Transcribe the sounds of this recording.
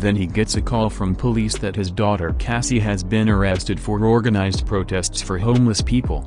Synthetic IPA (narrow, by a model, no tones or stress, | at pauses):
ðɨ̃niɡɛtsɨkʰɔlˠfɹʌ̃mpʰəlisðɨt̚hɨzdɔɾə˞kʰæsiɨzbɪ̃nə˞ɛstɨd̥fə˞ɹɔɹɡɨnaɪzdpʰɹ̥oʊtʰɛstsfə˞hõʊ̃mləspʰipə̰l̩ˠ